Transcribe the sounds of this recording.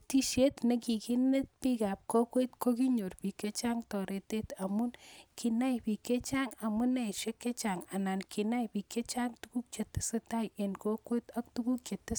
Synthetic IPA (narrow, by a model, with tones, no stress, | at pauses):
t̪i˦ʃe˦t̪ne˦ki˨ki˦ne˦t̪̚pi˦ka˨p̚ko˦kwe˦t̪ko˦ki˦ɲo˨ɾpi˨ke˦t͡ʃa˦ŋt̪ɔ˨ɾe˨t̪e˦t̪a˨mu˦nkʰi˨na˦jpi˨ke˦t͡ʃa˦ŋa˨mu˦ne˦˨ʃe˦kːe˦t͡ʃa˨ŋa˨na˨nkʰi˨na˦jpi˨ke˦t͡ʃa˦ŋt̪u˦ku˦k̚t͡ʃe˨t̪e̥˦se˦t̪a˦je˨nko˦kwe˦t̪a˦kt̪u˦ku˦kt͡ʃe˨t̪ːe˦